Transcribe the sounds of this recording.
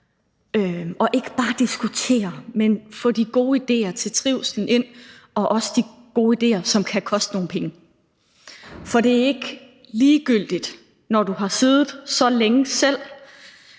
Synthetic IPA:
øɒ̽ʔe̝ɡ̥əb̥ɑ̈ːd̥isɡ̥ut͡sʰe̝̰ːɐmenfɔ̰d̥iɡ̥o̝ːid̥e̝̰ːɐt͡sʰe̝lt͡sʰʁiʊ̰sn̩e̝n̰ | ʔɒ̽ʔɒ̽səd̥iɡ̥o̝ːid̥e̝̰ːɐsɒ̽mkʰækʰɒ̽sd̥əno̝ːn̩pʰeŋə | fɒ̽ɾe̝æɐe̝ɡ̥ | liːɡ̥yl̰d̥id̥ | nɒd̥uɦɑ̈seðˠð̩ˠsɒ̽leŋəsel̰

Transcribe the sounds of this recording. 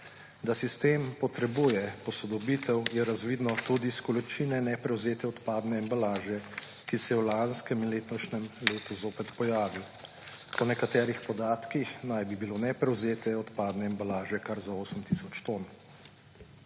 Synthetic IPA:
d̪asist̪eːmpɔt̪ɾɛbujɛpɔsɔd̪ɔbit̪ʰɛwjɛɾazʋiːd̪nɔt̪ud̪iskɔlit͡ʃiːnɛnɛpɾɛwzeːt̪ɛɔt̪paːd̪nɛːmbalaːʒɛ | kisɛjɛwlanskɛminleːt̪nɔʃnɛmleːt̪uzoːpɛt̪pɔjaːʋiw | pɔnɛkat̪ɛːɾixpɔd̪aːt̪kixnajbibilonɛpɾɛwzeːt̪ɛɔt̪paːd̪nɛːmbalaːʒɛkaɾzaoːsəmt̪isɔt͡ʃt̪on

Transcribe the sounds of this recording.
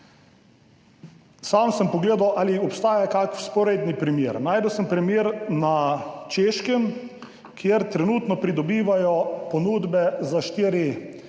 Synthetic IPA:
samsəmpɔɡleːd̪awʔaːliɔpst̪aːjakakfspɔɾed̪nipɾimjeːɾnaːjd̪əwsəmpɾɛmjeːɾnat͡ʃeːʃkəm | kʰjeɾt̪ɾɛnuːt̪nɔpɾid̪ɔbiːʋajɔpɔnuːd̪bɛzaʃt̪iːɾi

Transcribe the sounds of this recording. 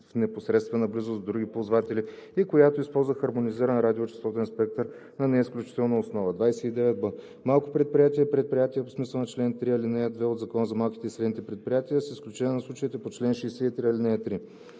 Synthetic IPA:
fnɛposɾɛt̪st̪vɛnɐblizʊzd̪ɾuɡʲipolˠzvat̪ɛlʲiikojat̪oispɔlˠzvəxɐɾmoniziɾənɾad̪ʲiot͡ʃɛ̥st̪ɔt̪ɛnspɛk̚t̪əɾ | nɐnɛisklʲut͡ʃi̥t̪ɛlˠnəosnɔvəd̪vajsɛid̪ɛvɛt̪̚bə | malˠkʊpɾɛt̪̚pɾʲijat̪iəipɾɛt̪̚pɾʲijat̪iəpo̥smislˠnɐt͡ʃlɛnt̪ɾiɐlinɛɛd̪vɛod̪zɐkɔnəzɐmalˠkʲit̪ɛisɾɛd̪nit̪ɛpɾɛt̪̚pɾʲijat̪ijəsisklʲut͡ʃɛnʲɛnɐslˠut͡ʃəit̪ɛpot͡ʃlɛnʃɛsɛit̪ɾiɐlinɛɛt̪ɾi

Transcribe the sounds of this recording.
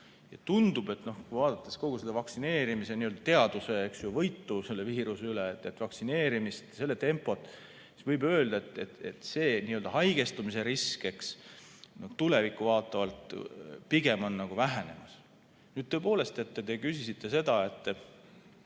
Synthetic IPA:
jɑt̪und̪ub̥e̞t̪no̞hkujvɑːd̪̥ɑt̪ːˑe̞sko̞ɡ̥uselevɑksine̞ːɾimise̞niøld̪̥ɑt̪e̞ɑd̪̥use̞eksjuvɤjt̪ːuse̞lːeviːɾuseyleet̪ːˑet̪ːˑvɑksine̞ːɾimist̪se̞lːe̞t̪e̞mpːˑo̞t̪ˑ | svɤjbø̞ːld̪ɑet̪ːˑet̪et̪se̞ːniːøld̪ɑɦɑjɡ̥e̞st̪umise̞ɾiske̞ksno̞ht̪ulevikːˑuvɑːt̪ːˑɑvɑlt̪piɡe̞mo̞nːɑɡ̥uvæɦæne̞̰mɑs | nyːd̪̚t̪øepo̞ːle̞st̪e̞t̪ːet̪e̞kysisit̪ːe̞se̞d̪̥ɑe̞t̪ːˑ

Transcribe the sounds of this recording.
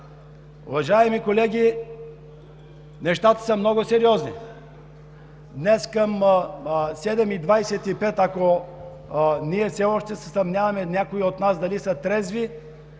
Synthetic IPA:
ʊ̰vɐʒaɛmikolɛɡʲi | nɛʃt̪at̪ə̥səmnɔɡosɛɾiɔznḭ | d̪nɛskɐm | sɛd̪ɛmid̪vajsɛt̪ipɛt̪ɐko | niɛfsɛɔʃt̪ɛsɛsɐmnʲjavɐmɛnʲakoiot̪nasd̪ɐlisɐt̪ɾɛzvi

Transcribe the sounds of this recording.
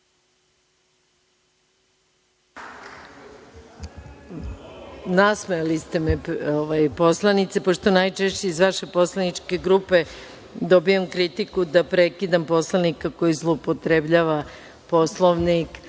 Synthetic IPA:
nasmelist̪e̞mɛoʋajpo̞slˠanit̪sepo̞ʃt̪o̞najt͡ʃeʃt͡ɕeizʋaʃe̞po̞slˠanit͡ʂke̞ɡɾupe̞ | d̪o̞bijemkɾit̪ikud̪apɾekid̪ampo̞slˠanikako̞jizlˠoupot̪ɾebʎaːʋa | po̞slˠoʋnik

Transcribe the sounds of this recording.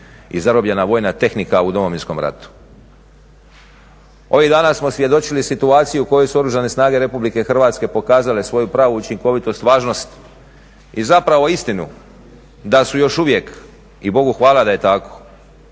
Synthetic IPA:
ḭzaɾobʎe̞naʋo̞ːjnat̪e̞xnikaud̪o̞mo̞ʋinsko̞mɾa̰t̪u̥ | o̞ʋiɣd̪aːnasmo̞sʋje̞d̪o̞t͡ʃilisit̪uaːt̪sijuko̞josuo̞ɾuʒane̞snaːɡe̞ɾe̞publike̞xrʋaːt̪ske̞po̞kaːzale̞sʋo̞jupɾaːʋuut͡ʃiŋko̞ʋit̪o̞st̪ʋaːʒno̞st̪ | izapɾaʋo̞ist̪inu | d̪asujo̞ʃuʋje̞k | ibo̞ɡuxʋaːlad̪aje̞t̪ako̞̥

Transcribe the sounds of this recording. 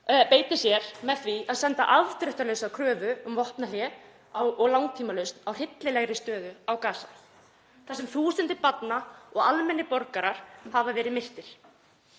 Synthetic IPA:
peːjt̪ɪsjɛɾ̥mɛðθviaðsɛnt̪a̰ʔavt̪ɾʏht̪aɾlesakʰɾœːvʏʏmvɔht̪naljɛ | awɔɣlawŋt̪ʰiːmalʏɥst̪nawr̥ɪt̪lɪlɛɣɾɪst̪œːðʏawkaːsa̰ | θɛsɛmθuːsɪnt̪ɪpat̪naɔɣalmɛnːɪpɔɾkaɾaɾ̥havavɛːɾɪðmɪr̥t̪ɪɾ̥

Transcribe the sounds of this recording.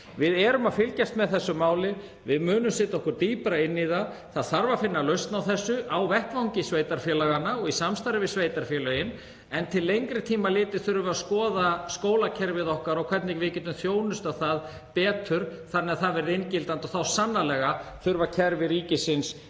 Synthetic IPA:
vɪðɛɾʏmaðfɪlcast̪mɛðθɛsːʏmaːwlɪ | vɪðmʏːnʏmsɛt̪ɔhkʏɾt̪iːpɾaɪnːiðaθaðθaɾvafɪnːalœɥst̪nawθɛsːʏʔawvɛhkvawŋcɪsveːjt̪aɾfjɛːlaɣanːaɔɣisamst̪aɾɪvɪðsvejt̪aɾ̥fjɛːlœɪn | ɛnt̪ʰɪlːejŋkɾɪt̪ʰiːmalɪːt̪ɪθʏɾʏvʏaskɔːðaskoːwlacʰɛɾvɪðɔhkaɾɔwkʰvɛɾt̪nɪɣvɪcɛːt̪ʏmθjoːwnʏst̪awθað | pɛːt̪ʰʏɾ̥θanːɛaðθaðvɛɾɪðejncɪlt̪ant̪ɔθawsanːalɛːɣaθʏɾvacʰɛɾvɪɾiːcɪsɪns

